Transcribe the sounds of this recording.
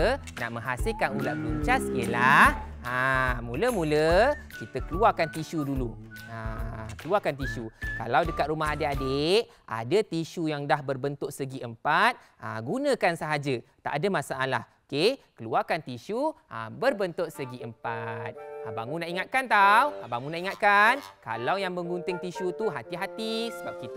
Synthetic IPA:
naʔmə̃ŋɦasɪlkanulaʔbəluɲt͡ʃaskiəlah | amuləmulə | kit̪əkəluarkant̪iʃuduluakəluarkant̪̬isuka̰lawdəkat̪̚rumaɦadeʔadeʔ | a̰dət̪iʃujaŋdahbərbənt̪ʊʔsəɡiʔəmpat̪̚ | a̰ɡunə̃kansəɦad͡ʒət̪a̰ʔadamasaʔala̰hokekəluakant̪iʃuʔa̰bərbənt̪ʊʔ̪̚səɡiʔəmpa̰t̪̚abaŋũnaʔiŋat̪̚kant̪awabaŋũnaʔiŋat̪̚kanka̰lawjaŋbəŋɡunt̪ɪŋt̪iʃut̪uɦat̪iɦat̪isəbap̚kit̪

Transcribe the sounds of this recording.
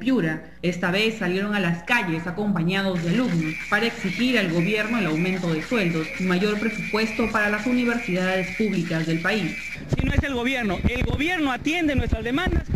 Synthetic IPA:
pjuɾa | e̞st̪aβe̞sːalje̞ɾo̞ŋalaskaʝe̞sako̞mpaɲað̞o̞zðealuɡnopaɾaeksixiɾalɣo̞βje̞ɾno̞elawmẽnt̪o̞ðe̞swe̞ld̪o̞simaʝo̞ɾpɾe̞supwe̞st̪o̞paɾalasuniβ̞e̞ɾsiðaððe̞spuβlikazðe̞lpais | sinoeselɣo̞βje̞ɾnoelɣoβje̞ɾnoat̪jend̪enwe̞st̪ɾazðemãnd̪as

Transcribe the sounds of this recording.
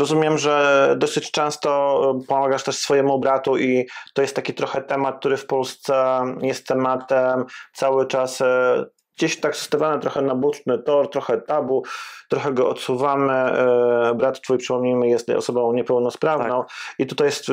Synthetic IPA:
ɾɔzumʲjɛmʐɛd̪ɔsɘt͡ɕt͡ʂɛ̃w̃st̪ɔpɔmaɡaʂt̪ɛʂsfɔjɛmubɾat̪uʔit̪ɔjɛst̪ːakʲit̪ɾɔxɛt̪ɛmat̪̚k̚t̪uɾɘfpɔlst̪sɛjɛst̪ʰːɛmat̪ɛmt̪sawɘt͡ʂas | ɡd͡ʑeɕt̪aksɔ̥st̪avʲanɛt̪ɾɔxɛnabut͡ʂnɘt̪ɔɾt̪ɾɔxɛt̪abut̪ɾɔxɛɡɔʔɔt̪suvamɘ | bɾat̪ːt̪fujpʂɘ̥pɔmɲejmɘjɛst̪ɔ̰sɔbɔ̃w̃ɲɛpɛwnɔspɾavɔ̃w̃it̪ut̪ajɛst̪

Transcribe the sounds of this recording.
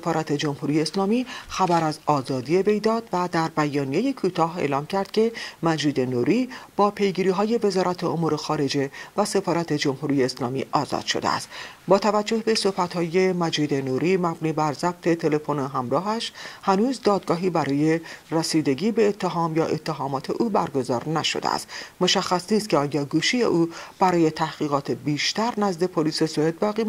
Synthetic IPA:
efɒːɾæt̪ʰe̞d͡ʒo̞mhuːɾijeːslɒːmiːxæbæɾæzɒːzɒːd̪ie̞ve̞jd̪ɒːd̪væd̪æɾbæjɒːnije̞je̞kʰuːt̪ʰɒːɦe̞̰ːlɒːmcʰæɾd̪̥cʰe̞mæd͡ʒiːd̪enuːɾiːb̥ɒːpʰe̞jɡiːɾiːɦɒːje̞ve̞zɒːɾæt̪ʰeomuːɾexɒːɾe̞d͡ʒe̞væse̞fɒːɾæt̪ʰe̞d͡ʒo̞mhuːɾijeːslɒːmḭːʔɒːzɒ̰ːd̪̥ʃod̪ḛæ̰st̪bɒːt̪ʰævæd͡ʒːo̞hbe̞so̞hbæt̪hɒːje̞mæd͡ʒiːd̪e̞nuːɾiːmæbniːbæɾzæb̥̚t̪ʰe̞t̪ʰe̞le̞fo̞noɦæmɾɒːɦæʃhænuːzd̪ɒːd̪̚ɡɒːɦiːbæɾɒːje̞resiːd̪e̞ɡiːbe̞ːt̪ʰːeɦɒːmjɒːʔe̞t̪ʰːeɦɒːmɒːt̪ʰe̞ʔuːbæɾɡo̞zɒːɾnæʃo̰d̪ḛæ̰st̪mo̞ʃæxːæsniːst̪̚cʰeɒːjɒːɡuːʃiːjḛʔuːb̥æɾɒːje̞t̪ʰæhɣ̥iːɣɒːt̪ʰebiːʃt̪æɾnæzd̪e̞pʰoliːse̞soed̪̚bæɣiː

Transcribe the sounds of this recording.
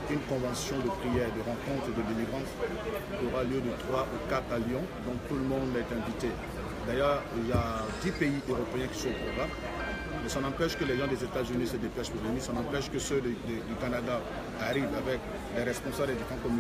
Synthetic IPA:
ynkɔ̃vɑ̃sjɔ̃d̪əpχijɛʁd̪əʁɑ̃kɔ̃t̪χəd̪əd̪eliɡʁɑ̃s | kʲioʁaljød̪ət̪χwaʔukat̪χaljɔ̃ | d̪ɔ̃t̪uləmɔ̃d̪lɛt̪ɛ̃vit̪e | d̪ajœːʁiljad̪ipeiʔøʁɔpeɛ̃kʲi̥sɔ̃pɔɡʁa | mɛsɔ̃nɑ̃pɛʃkəlɛʒɑ̃d̪ɛzet̪azynisəd̪epɛʃpolenisɔ̃nɑ̃pɛʃkəsød̪ed̪ykanad̪aː | ʁivavɛk | dɛʁɛspɔ̃sablɛd̪ykɑ̃kɔmy

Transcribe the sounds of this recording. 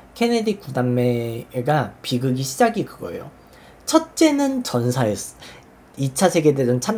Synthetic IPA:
kʰe̞nedikudamːe̞ːɡapiɡɯɡiɕʰid͡ʑaɡikɯɡʌ̰ḛjo̰ | t͡ɕʰʌt̚t͡ɕ͈e̞nɯnt͡ɕʌnsʰaes | it͡ɕʰasʰe̞ɡe̞ded͡ʑɯnt͡ɕʰam

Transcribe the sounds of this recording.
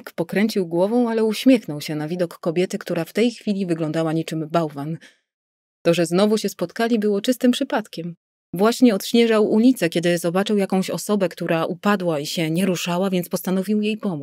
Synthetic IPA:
kpɔkɾɛɲt͡ɕiwɡwɔvɔ̃w̃alɛuɕmʲjɛxnɔwɕɛnavʲid̪ɔkːɔbʲjɛt̪ɘkt̪uɾaft̪ɛjxfʲilʲivɘɡlɔnd̪awaɲit͡ʂɘmbawvan | t̪ɔʐɛznɔvuɕɛspɔt̪kalʲibɘwɔt͡ʂɘst̪ɘmpʂɘpat̪kʲɛm | vwaɕɲɛɔt̪ɕɲɛʐawulʲit̪sɛkʲɛd̪ɘzɔbat͡ʂɘwjakɔ̃w̃ɕɔsɔbɛkt̪uɾʔaʔupad̪waiɕɛɲɛɾuʂawavʲjɛnt̪spɔst̪anɔvʲiwjejpɔmu

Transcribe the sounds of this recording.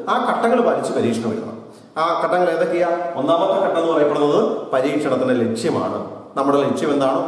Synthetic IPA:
aːkɐʈːɐŋːɐɭpaːɾit͡ɕːɨpɐɾiːkʂɐɳɐʋɐ̰ɾunːɐ̰ | aːkɐʈːɐŋːɐɭe̞ːðokːejao̞nːaːmɐt̪ːɐkɐʈːɐnːɨp̪ɐrɐjɐpːeɽunːɐðɨpɐɾiːkʂɐɳɐt̪ːindele̞kʂjɐma̰ːɳɨnɐmːuɽele̞kʂjɐme̞nd̪aːɳoː

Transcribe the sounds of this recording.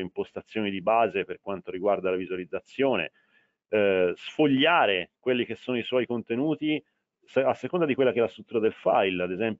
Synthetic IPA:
impost̪at̪sjoːnid̪ibaːzeperkwant̪oɾiɡward̪alavizualid̪zːat̪sːjoːnḛ | sfoʎːaːɾekwelːik̟esːoːnoiswɔjkont̪enuːt̪i | sasːekond̪ad̪ikwelːakeɛlːast̪ɾut̪ːuːɾad̪elfa̰jlad̪ezɛmp

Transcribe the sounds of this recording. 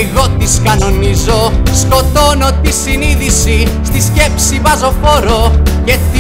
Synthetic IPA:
ɣo̞t̪iskɐno̞nizo̞sko̞t̪o̞no̞t̪isiniðisist̪isce̞psivɐzo̞foɾo̞cɐt̪

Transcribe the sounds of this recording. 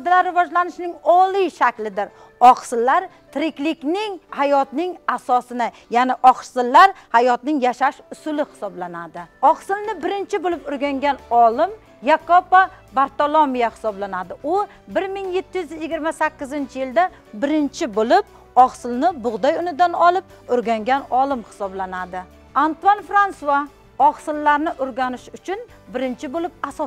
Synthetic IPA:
d̪alaɾːɪvɒd͡ʒlanɪʃnɪŋɒlˠiʃakʲlɪd̪ɪɾ | ɒqsɪlːaɾ | t̪ʰɾɪkʲlɪkʲnɪŋhajɒt̪nɪŋasɒsɪnajanɪʔɒqsɪlːaɾhajɒt̪nɪŋjaʃaʃʊsʊlɪχɪ̥sɒblanad̪ɪɒqsɪlnɪbɪɾɪnt͡ʃʰɪbolɪpʊɾɡʲaŋɡʲanɒlˠɪm | jakʰːopːabaɾt̪olˠomijahɪ̥sɒblanad̪ɪʔʊ | bɪɾmɪŋje̞t̪ʰːɪjyzjɪɡʲɪɾmasakʲːɪzɪnt͡ʃʰɪjɪld̪a | bɪɾɪnt͡ʃʰɪbolɪp̚ | ɒχsɪlnɪbʊʁd̪ajʊnɪd̪anɒlˠɪp̚ʊɾɡʲaŋɡʲanɒlˠɪmhɪ̥sɒblanad̪ɪ | ant̪uanfɾansua | ɒχsɪlːaɾnɪʔʊɾɡʲanɪʃʊt͡ʃʰʊn | bɪɾɪnt͡ʃʰɪbolɪp̚asɒ

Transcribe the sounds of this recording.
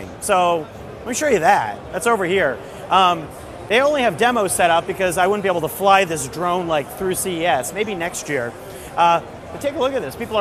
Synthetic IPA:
ɪ̰̃ŋsoʊ | ãɪ̃mʃʊɹjɨðæt̚ðætsoʊvə˞hiɹ | ʔʌ̃m | ðeɪõʊ̃nliɨvdɛmoʊ̥sɛɾʌp̚b̥ɨkʌzaɪwʊdⁿn̩bieɪbl̩ˠtʰəflaɪðɪs̬dɹõʊ̃nlaɪk̚θɹʉsiiɛsmeɪbinɛkst̚jɪɹ | ʔʌ | b̥ʌtʰeɪkəlʊkɨt̪̚ðɪspipl̩ˠə

